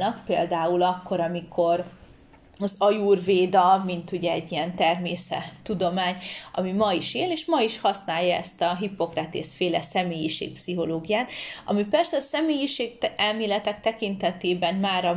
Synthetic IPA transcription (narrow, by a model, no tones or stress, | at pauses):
nɒkpeːld̪aːulɒkʰːo̞ɾɒmikʰo̞r | ɒzɒjurveːd̪ɒmint̪uɟɛɛɟːiɛnt̪ɛrmeːsɛ̰t̪ːud̪o̞maːɲɒ̰mimɒiʃeːleːʃmɒiʃhɒsnaːjːɒɛ̰st̪ɒɦipo̞krat̪ḛsfeːlɛsɛmeːjiʃḛːk̚psiɦo̞loːɡijaːt̪ɒmipɛrsɛɒsɛmeːjiʃeːɡɛlmeːlɛt̪ɛkt̪ɛkint̪ɛt̪eːbɛnmaːɾɒ